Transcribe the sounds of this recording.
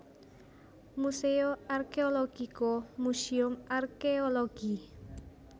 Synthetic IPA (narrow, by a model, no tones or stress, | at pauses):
museoarkeoloɡ̥ikomusiʊmarkeoloɡ̥i